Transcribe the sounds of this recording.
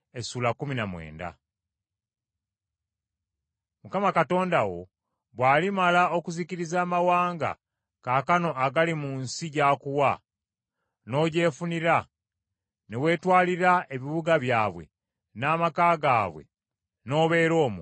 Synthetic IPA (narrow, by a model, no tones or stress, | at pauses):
esuːlakuminamwe̞̰ːnda̰ | mukamakato̞ːndawo̞̰ | βwaːlimalao̞kuziciɾizaːmawaːŋɡa̰ | kaːkano̞ʔaɡalimuːnsiɟaːkuwa | no̞ːɟe̞ːfuniɾa | newe̞ːtwaːliɾae̞βiβuɡaβjaːβwe̞̰ | naːmakaːɡaːβwe̞̰ | no̞ːβe̞ːɾo̞ːmu